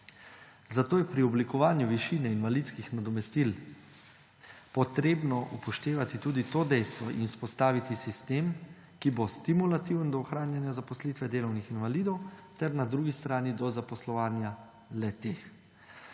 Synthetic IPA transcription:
zat̪oːjɛpɾiɔblikɔʋaːnjuʋiʃiːnɛinʋalit̪skixnad̪ɔmɛst̪il | pɔt̪ɾeːbnɔʔupɔʃt̪eːʋat̪it̪uːd̪it̪oːd̪ɛjst̪ʋɔʔḭnuspɔst̪aːʋit̪isist̪eːm | kibost̪imulat̪iwənd̪ɔːxɾaːnjanjazapɔslit̪ʋɛd̪eːlɔwnixinʋaliːd̪ɔwt̪ɛɾnad̪ɾuːɡist̪ɾaːnid̪ɔzapɔslɔʋaːnja | lɛt̪eːx

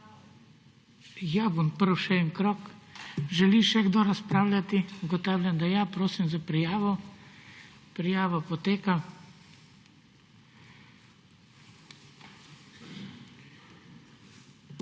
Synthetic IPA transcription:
jabompəɾwʃɛnkɾɔkʒɛliʃɛɡd̪oɾaspɾaːwlʲat̪iuɡɔt̪aːwlʲjamd̪ajaːpɾoːsimzapɾijaːʋɔ | pɾijaːʋapɔt̪eːka

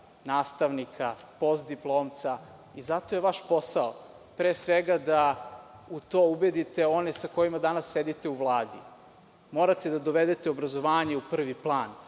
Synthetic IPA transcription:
naːst̪aʋnikʰapo̞st̪̚d̪iplˠoːmt̪sa | izat̪o̞jeʋaʃpo̞sao | pɾeːsʋeɡad̪a | ut̪oːubed̪it̪e̞o̞nesako̞jimad̪anasːed̪it̪e̞uʋlˠaːd̪ḭ | mo̞ɾat̪ed̪ad̪o̞ʋed̪et̪eo̞bɾazo̞ʋaːɲeupr̩ʋiplˠaːn

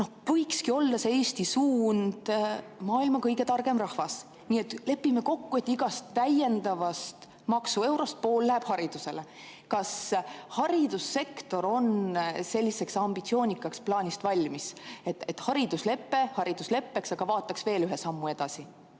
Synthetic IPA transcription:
no̞hvɤjkskio̞ld̪ːɑseeːsʲt̪isuːnd̪̥mɑːilmɑkɤjɡe̞t̪ɑrɡ̥e̞mrɑhvɑs | niːet̪ːˑle̞pːime̞ko̞kːue̞t̪ːˑiɡɑst̪ːæje̞nd̪ɑvɑst̪ | mɑksue̞wɾo̞st̪̚po̞ːlːæheb̥hɑɾid̪̥use̞l | kɑshɑɾid̪usːe̞kt̪o̞ɾo̞nse̞lʲːise̞ksɑmb̥it̪sioːnʲikːˑɑksplɑːnʲist̪vɑlʲmiset̪et̪ːhɑɾid̪̥usle̞pːe̞hɑɾid̪̥usle̞pːe̞ksɑɡ̥ɑvɑːt̪ːˑɑksve̞ːlyɦesɑmːue̞d̪̥ɑsi

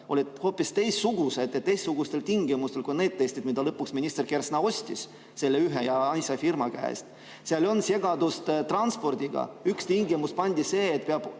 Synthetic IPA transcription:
o̞lʲid̪ho̞ːpːˑist̪e̞jsːuɡ̥use̞d̪et̪t̪ːejsːuɡ̥ust̪e̞lt̪iŋɡimust̪e̞lkune̞ːdt̪ːesʲt̪id̪mid̪ɑlɤpːuksminʲist̪e̞rke̞rsnɑo̞sʲt̪ʲḭs | se̞lːeyɦejɑɑnsʲɑfirmɑkæ̰ḛst̪ | seɑlʲonse̞ɡ̥ɑd̪ust̪t̪rɑnspo̞rd̪̥ʲiɡ̥ɑ̰ykst̪ʲiŋɡimust̪̚pɑnʲd̪ʲise̞ːt̪peɑb̥

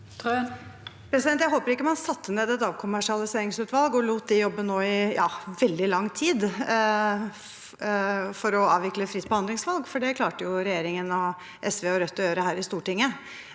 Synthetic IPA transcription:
pʰɾɛsɪd̪ɛnt̪jæɪɦoːpəɾɪkːəmɑnsɑt̪ʰːəneːd̪ɛt̪ɑːʋkʰʊmæʂɪɑlɪseːɾɪŋsʉːt̪ʋɑlɡɔluːt̪̚d̪ɛjɔbːənoːɪjɑ̰ːʋɛld̪ɪlɑŋːt̪ʰiːd̪ | fɔɾɔɑ̰ːʋɪkləfɾɪt̪ːbɔhɑnd̪lɪŋsʋɑlɡfɔɖɛkʰlɑːʈəjʊɾɛjeːɾɪŋənɔ | ʔɛsʋeːɔɾœt̪ːɔjøːɾəɦæːɾɪst̪uːʈɪŋːə

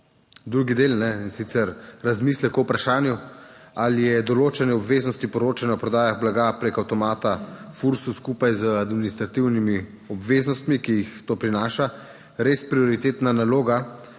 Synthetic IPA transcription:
d̪ɾuɡid̪eːlnɛinsit̪sɛɾɾazmiːslɛkɔwpɾaʃaːnjualijɛd̪ɔloːt͡ʃɛnɛɔbʋeːznɔst̪ipɔɾoːt͡ʃanawpɾɔd̪aːjaɣblaɡapɾekawt̪ɔmaːt̪afuɾsuskuːpajzəad̪minist̪ɾat̪iwnimi | ɔbʋeːznɔst̪mikijixt̪oːpɾinaːʃa | ɾeːspɾiɔɾit̪eːt̪nanaloːɡa

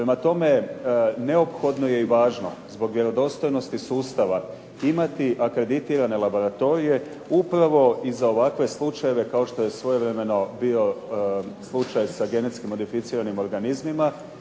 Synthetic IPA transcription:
pɾemat̪o̞me̞ne̞o̞pxo̞d̪no̞je̞iʋaːʒno̞zbo̞ɡʋʲje̞ɾo̞d̪o̞st̪o̞jno̞st̪isuːst̪aʋa | imat̪iʔakɾe̞d̪it̪iːɾane̞lˠabo̞ɾat̪o̞ɾije̞ | upɾaʋo̞izao̞ʋakʋe̞slˠut͡ʃaje̞ʋe̞kao̞ʃt̪o̞je̞sʋo̞jeʋɾeme̞no̞bio̞ | slˠut͡ʃajsaɡe̞ne̞t̪skimo̞d̪ifit̪siːɾanimo̞ɾɡanizmima

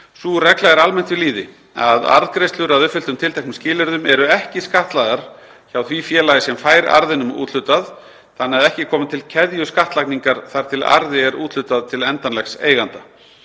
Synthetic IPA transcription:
surɛklaɛɾalmɛnt̪vɪliːðɪ | a̰ða̰ɾðkɾejst̪lʏɾaðʏfʏlt̪ʏmt̪ʰɪlt̪ʰajk̚nscɪːlʏɾðʏmɛɾʏɛhcɪskaht̪laɣaɾ̥ | çawθvifjɛːlaɣɪsɛmfaːjɾa̰ɾðɪnʏmṵːt̪lʏt̪að | θanːɛaðɛhcɪkʰɔːmɪnt̪ʰɪlcʰɛðjʏskaht̪lakniŋkaɾ̥θaɾ̥t̪ʰɪla̰ɾðɪɛɾṵːt̪lʏt̪aðt̪ʰɪlɛnt̪anlɛxsḛːjɣant̪a

